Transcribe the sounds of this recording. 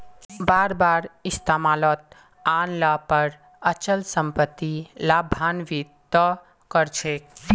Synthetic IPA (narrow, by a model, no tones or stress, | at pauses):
baːɾbaːɾɪst̪amaːlɔt̪̚ | aːnlapəɾ | ət͡ʃəlsəmpət̪ːilaːbʱanʋit̪ː | ɔ | kəɾt͡ʃʰek